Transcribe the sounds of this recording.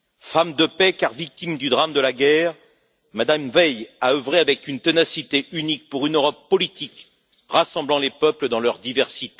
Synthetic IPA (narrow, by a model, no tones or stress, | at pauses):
famd̪əpɛkaʁvik̚t̪imd̪yd̪ʁamd̪əlaɡʲɛːʁ | mad̪amvɛjaøvʁeavɛkynt̪enasit̪eʔynik̚puʁynøʁɔpːɔlit̪ik | ʁasɑ̃blɑ̃lepœpləd̪ɑ̃lœʁd̪ivɛʁsit̪e̥